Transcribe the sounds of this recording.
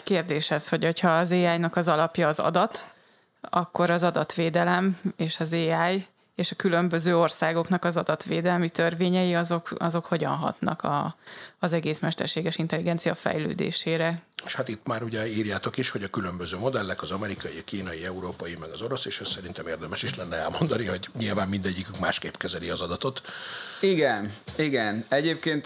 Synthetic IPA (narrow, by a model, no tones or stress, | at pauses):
keːrd̪eːʃɛsho̞ɟo̞chɒːzeːaːjnɒkɒzɒlɒpjɒːzɒ̰d̪ɒt̪ | ɒkːo̞ɾɒzɒd̪ɒt̪ʋeːd̪ɛlɛmeːʃɒzeːaːj | eːʃɒkylø̞mbø̞zøːo̞rsaːɡo̞knɒkɒzɒd̪ɒt̪ʋeːd̪ɛlmit̪ørveːɲɛjiɒzokɒzo̞kho̞ɟɒ̰nɦɒ̰t̪nɒ̰kɒ̰ː | zɛɡeːsmɛʃt̪ɛ̰rʃeːɡɛʃint̪ɛliɡɛnt̪sijɒfɛ̰jlø̰ːd̪ḛːʃeːɾɛeʃhat̪it̪ːmaːɾuɟɛiːrjaːt̪o̞kiʃhoɟɒkylømbøzøːmo̞d̪ɛlːɛkɒzɒmɛɾikɒjikiːnɒjiɛuɾoːpɒjimɛɡɒzo̞ɾo̞seːʃɛssɛɾint̪ɛmeːrd̪ɛmɛʃiʃlɛnːɛɛlmo̞nd̪ɒniho̞ɟɲilvaːmːind̪ɛɟːikykma̰ːʃkeːpkɛzɛliɒzɒd̪ɒt̪o̞t̪iɡɛniɡɛnɛɟeːp̚keːnt̪